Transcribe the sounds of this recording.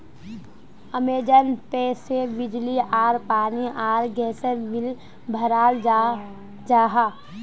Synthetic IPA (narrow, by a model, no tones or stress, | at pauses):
əmeːd͡ʒənpeːsebɪd͡ʒliʔaːɾpaːniʔaːɾɡɛːsəɾʋɪl | bʱəɾaːl | d͡ʒaːɦaː